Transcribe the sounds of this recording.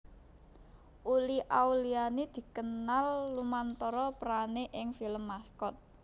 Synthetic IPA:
ʔuliʔawlianed̪̥i̤kənalːumant̪ɔɾɔpɾaneʔɪŋfiləmːaskɔt̪̚

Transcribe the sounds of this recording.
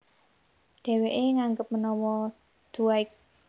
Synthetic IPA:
ɖ̥ɛ̤weʔeŋaŋɡəp̚mənɔwɔ | d̪̥uaɪk̚

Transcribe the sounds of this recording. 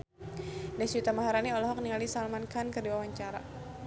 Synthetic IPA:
dasut̪amaɦaɾaniɔlɔɦɔk̚niŋalisalmankankərduwawaɲt͡ʃaɾa̰

